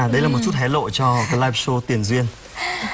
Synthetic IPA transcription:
ɗə˧jlaː˨˩mo˨˩t̚t͡ɕu˦˥t̚ɦɛ˨˦˥lo̰˧˨jt͡ɕɔ˧˨˧laː˧jp̚so˧t̪i˨˩ənzwi˧ən

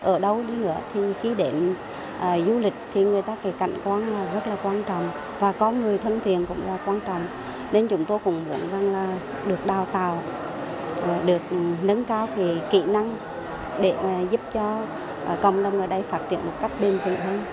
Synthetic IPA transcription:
ʔəː˧˩ɗə˧wɗi˧nɨ̰˧˥ət̪ʰi˨˩xi˧ɗe˧˩n | ʔəː˨˩zu˧lï˨˩k̟̚t̪ʰi˨˩ŋɨ˨˩əjt̪aː˧ke˧˨˩ka̰˧˨jŋ̟kwaː˧nlaː˨˩zə˦˥t̚laː˨˩kwaː˧nt͡ɕɔ̰˧˨wŋ͡m | vaː˨˩kɔ˧nŋɨ˨˩əjt̪ʰə˧nt̪ʰi˨˩ənkʊ̰˧˥ŋ͡mlaː˨˩kwaː˧nt͡ɕɔ̰˧˨wŋ͡m | ne˧nt͡ɕʊ˨˦ŋ͡mt̪o˧jkʊ̰˧˥ŋ͡mɓṵ˧˩˦ənza˨˩ŋlaː˨˩ | ɗɨ˨˩ək̚ɗaː˨˩wt̪aː˨˩w | ɗɨ˨˩ək̚nə˧˦nkaː˧wke˨˩kḭ˧˩˥na˧ŋ | ɗe˧˩˦zʊ˦˥p̚t͡ɕɔ˧ | ʔkə̰˧˨wŋ͡mɗə˨˩wŋ͡mʔəː˧˩ɗə˧jfaː˦˥t̚t͡ɕḭ˧˨ənmo˨˩t̚ka˦˥jk̟̚ɓe˨˩nt̪i˨˩ənʰəː˧n

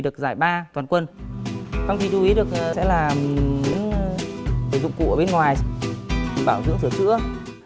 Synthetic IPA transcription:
ɗɨ˨˩ək̚zaː˧˩jɓaː˧t̪waː˨˩nkwə˧n | t͡ɕɔ˧wŋ͡mki˧˩t͡ɕu˧i˨˦ɗɨ˨˩ək̚sɛ̰˧˥laː˨˩ɲɨ̰˧˥ŋ | səː˧˩zʊ̰˧˨ŋ͡mkṵ˧˩ʔəː˧˩ɓe˧nŋwaː˨˩j | ŋɓaː˧˩wzɨ̰˧˥ŋt̪ɨ˧˩ət͡ɕɨ̰˧˥ə

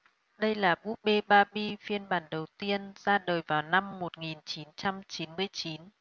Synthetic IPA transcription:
ɗə˧jlaː˨˩ɓu˦˥k̚ɓe˧ɓaː˧ɓi˧fi˧ənɓaː˧˩nɗə˨˩wt̪i˧ənz̥aː˧ɗəː˨˩jvaː˨˩wna˧mːo˨˩t̚ŋi˨˩nt͡ɕi˨˦nt͡ɕa˧mt͡ɕi˨˦nmɨ˧əjt͡ɕi˨˦n

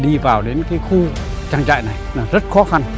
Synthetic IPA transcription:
ɗi˧vaː˨˩wɗe˨˦nkaː˨˦jxu˧ | t͡ɕaː˧ŋt͡ɕa̰ː˧˨jna˨˩jlaː˨˩zə˦˥t̚xɔ˨˦xa˧n

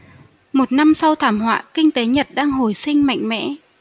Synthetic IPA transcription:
mo˨˩t̚na˧msa˧wt̪ʰaː˧˩mhwa̰ː˧˨kï˧ŋ̟t̪e˨˦ɲə˨˩t̚ɗaː˧ŋɦo˧˩jsï˧ŋ̟ma̰˧˨jŋ̟mɛ̰˧˥

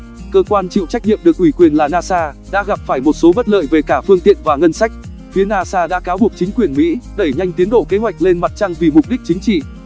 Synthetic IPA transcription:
kəː˧kwaː˧nt͡ɕḭ˧˨wt͡ɕa˦˥k̟̚ɲḭ˧˨əmɗɨ˨˩ək̚ʔwi˧˩kwi˨˩ənlaː˨˩naː˧saː˧ | ɗa̰ː˧˥ɣa˨˩p̚faː˧˩jmo˨˩t̚so˨˦ɓə˦˥t̚lə̰ː˧˨jve˨˩kaː˧˩fɨ˧əŋt̪ḭ˧˨ənvaː˨˩ŋə˧nsa˦˥jk̟̚ | fi˨˦ənaː˧saː˧ɗa̰ː˧˥kaː˨˦wɓək̚t͡ɕï˨˦ŋ̟kwi˨˩ənmḭ˧˥ɗe˧˩jɲa˧jŋ̟t̪i˨˦ənɗo̰˧˨ke˨˦ɦwa˨˩jk̚le˧nma˨˩t̚t͡ɕa˧ŋvi˨˩mʊ˨˩k͡p̚ɗi˦˥k̚t͡ɕï˨˦ŋ̟t͡ɕḭ˧˨

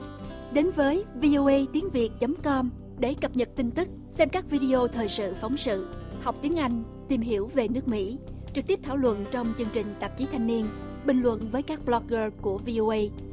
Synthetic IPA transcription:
ɗe˨˦nvəː˨˦jvi˧ʔo˧ʔə˧jt̪i˨˦əŋvi˨˩ək̚t͡ɕə˨˦mkɔ˧m | ɗe˧˩kə˨˩p̚ɲə˨˩t̚t̪ï˧ŋt̪ɨ˦˥k̚ | sɛ˧mkaː˦˥k̚vi˧ɗi˧o˧t̪ʰəː˨˩jsɨ̰˧˨fa˨˦wŋ͡msɨ̰˧˨ha˨˩wk͡p̚t̪i˨˦əŋʔa˧jŋ̟ | t̪i˨˩mɦi˧˩əwve˨˩nɨ˦˥ək̚mḭ˧˥t͡ɕɨ˨˩k̪̚i˦˥əp̚t̪ʰaː˧˩wlwə̰˧˨nt͡ɕɔ˧wŋ͡mt͡ɕɨ˧ŋt͡ɕï˨˩ŋ̟t̪ə˨˩p̚t͡ɕi˨˦t̪ʰa˧jŋ̟ni˧ən | ɓï˨˩ŋ̟lwə̰˧˨nvəː˨˦jkaː˦˥k̚blɔ˧k̚ɣəː˧ku˧˩əvi˧ʔo˧ʔə˧j

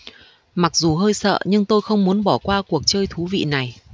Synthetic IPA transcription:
ma˨˩k̚zu˨˩ɦəː˧jsə̰ː˧˨ɲɨ˧ŋt̪o˧jxə˧wŋ͡mmu˨˦ənɓɔ˧˩kwaː˧ku˨˩ək̚t͡ɕəː˧jt̪ʰu˨˦vḭ˧˨na˨˩j

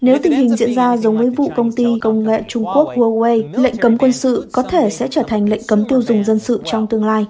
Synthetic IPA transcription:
ne˨˦wt̪ï˨˩ŋ̟hï˨˩ŋ̟zḭ˧˨ənzaː˧zə˨˦wŋ͡mvəː˨˦jvṵ˧˨kə˧wŋ͡mt̪i˧kə˧wŋ͡mŋḛ˧˨t͡ɕʊ˧ŋ͡mku˦˥ək̚vu˧ə˧jlə̰˧˨ŋ̟kə˨˦mkwə˧nsɨ̰˧˨kɔ˨˦t̪ʰe˧˩sɛ̰˧˥t͡ɕəː˧˩t̪ʰa˨˩jŋ̟lə̰˧˨jŋ̟kə˨˦mt̪i˧əwzʊ˨˩ŋ͡mzə˧nsɨ̰˧˨t͡ɕɔ˧wŋ͡mt̪ɨ˧əŋlaː˧j

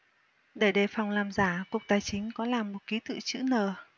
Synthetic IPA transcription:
ɗe˧˩ɗe˧˩fa˨˩wŋ͡mlaː˨˩mzaː˧˩ku˨˩ək̚t̪aː˨˩jt͡ɕï˨˦ŋ̟kɔ˨˦laː˨˩mːo˨˩t̚ki˨˦t̪ɨ̰˧˨t͡ɕɨ̰˧˥nəː˨˩

